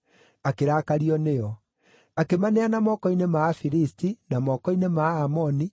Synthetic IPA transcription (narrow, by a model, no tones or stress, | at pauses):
akeɾaːkaɾiɔnejɔ | akemaneanamɔkɔinemafiɾistinamɔkɔinemaːmɔni